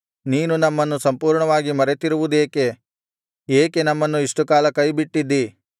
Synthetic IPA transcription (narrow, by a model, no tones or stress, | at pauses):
niːnunɐmːɐnːusɐmpuːɾɳɐʋaːɡimɐɾet̪iɾuʋud̪e̞ːke̞ | eːke̞nɐmːɐnːuiʂʈukaːlɐkɐjbiʈːid̪ːi